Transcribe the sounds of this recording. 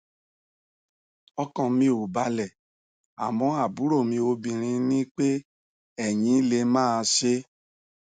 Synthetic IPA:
ɔ˦kɔ̃˧mĩ˧o˨ba˧lɛ˨ | a̰˨mɔ̃˧˦a˨bu˨˦ɾo˦˨mĩ˧o˧bĩ˧ɾ̃ĩ˧nĩ˦k͡pe˦ | ɛ˦˨j̃ĩ˧˦le˧mãː˦˧ʃe˦

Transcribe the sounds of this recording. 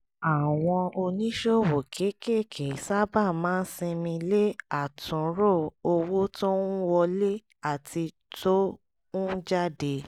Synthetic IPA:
a˨w̃ɔ̃˧o˧nĩ˦ʃo˦˨wo˨kʰe˨˦ke˦˨kʰe˨˦sa˦ba˦˨mãː˨˦n̩˦sĩ˧mĩ˧le˦a˦˨tũ˨˦ɾo˦˨o˧wo˦to˦nũ˦wɔ˧le˦ | a˦˨tʰi˧ | to˦ | nũ˦d͡ʒa˦de˧

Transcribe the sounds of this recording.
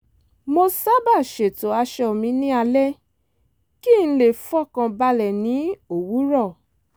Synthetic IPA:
mo˧sa˦ba˦˨ʃe˨to˨˦a˧ʃɛ˧˨mĩ˧˦nĩ˦a˧lɛ˦ | ki˦ñ̩˧˦le˦˨fɔ˦˨kã˧ba˧lɛ˨nĩ˨˦o˦˨wu˨˦ɾɔ˦˨

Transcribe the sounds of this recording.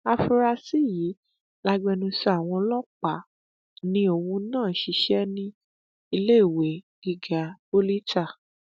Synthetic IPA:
a˧fu˧ɾa˧si˦jiː˨˦ | la˧ɡ͡bɛ˧nũ˧sɛ˧a˨w̃ɔ̃˧lɔ˦k͡pa˨ | nĩ˧˦o˨˧˨wũ˧˦nãː˦˨ʃi˨˧˦ʃɛ˦nĩ˦ | i˧le˦i˦˨we˨˦ɡ̥i˧ɡa˨˦bo˦li˦ta˦˨

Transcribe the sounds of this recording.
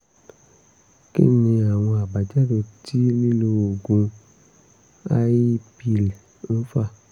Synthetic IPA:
kḭ˦nĩ˧a˨w̃ɔ̃˧a˨ba˨d͡ʒɛ˦do˧˨ti˦lĩ˦lo˧wo˨ɡũ˧ | a˦ji˦pi˧˨l | n̩˦fa˦˨

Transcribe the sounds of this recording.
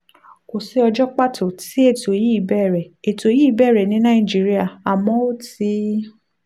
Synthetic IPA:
ko˨se˧˦ɔ˧d͡ʒɔ˦k͡pa˦tʰo˨ti˨˦e˦˨to˨ji˦˨bɛ˦˨ɾɛ˨e˨to˨ji˦˨bɛ˦˨ɾɛ˨nĩ˨˦nã˦ĩ˦˨d͡ʒi˨˦ɾi˦a˦˨a˨mɔ̃˨˦o˦ti˧˦

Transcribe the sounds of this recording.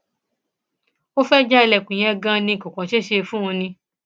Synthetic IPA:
o˦fɛ˦d͡ʒa˦˧lɛ˨kũ˨j̃ɛ̃˧˦ɡã˦nĩ˧˨kũ˨kɔ̃˨ʃe˦ʃe˧fũ˦ũ˧nĩ˧

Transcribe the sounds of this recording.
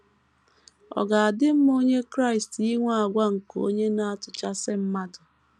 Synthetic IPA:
ɔ̰˨ɡa˨a˨dɪ˦m̩˦m˦o˦ɲe˦kɾa˦˨i˨sti˦ŋʷa˦a˨ɡʷa˦ŋ̩˨ko̰˦ɲe˦na˦a˦tʊ˨t͡ʃa˦sɪ˦m̩˦ma˦dʊ˨

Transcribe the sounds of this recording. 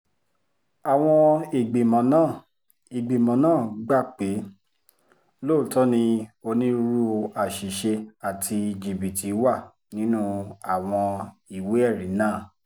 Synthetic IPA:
a˨w̃ɔ̃˧i˨ɡ͡be˨mɔ̃˨˦nãː˦˨ | i˨ɡ͡be˨mɔ̃˨˦nãː˦˨ɡ͡ba˦˨k͡pe˨˦ | lo˦˨tɔ˦nĩ˧o˧nĩ˦ɾu˧a˨ʃi˨ʃe˧a˨tʰi˧˨d͡ʒi˨bi˨ti˨˦wa˦˨ | nĩ˦nũ˦a˨w̃ɔ̃˧i˨we˦ɛ˦˨ɾĩ˨˦nãː˦˨

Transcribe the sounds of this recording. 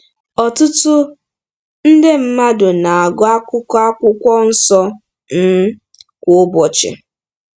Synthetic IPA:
ɔ˨tʊ˦tʊ˦ | n̩˦dɪ˦m̩˦ma˦dʊ˨na˨a˨ɡʊ˦a˦kʷʊ˦ka˦kʷʊ˦kʷɔ˦n̩˦sɔ˦ | n̩˦ | kʷʊ˨ʊ˦bɔ˨t͡ʃɪ̰˨

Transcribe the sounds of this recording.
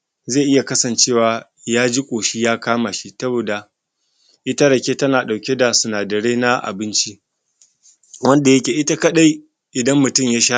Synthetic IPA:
zeː˦˨ʔɪ˦ja˨kɐ˦sɐ˨nt͡ʃeː˦˨waː˨ | jaː˦d͡ʒi˦kʷʼoː˨ʃi˦jaː˦kaː˦ma˨ʃi˦sɐ˦boː˨da˨ | ʔɪ˦ta˦ɽɐ˨kʲeː˦tɐ˦naː˨ɗa˨wkʲe˦da˨sʊ˨naː˨dɐ˨ɽe˦na˦ʔa̰˨bɪ˦nt͡ʃi˦ | wɐ˦nda˨jɐ˦kʲeː˨ʔɪ˦ta˦kɐ˦ɗa˦j | ʔɪ˨dɐ˦mːʊ˨tʊ˦mjaː˦ʃaː˦

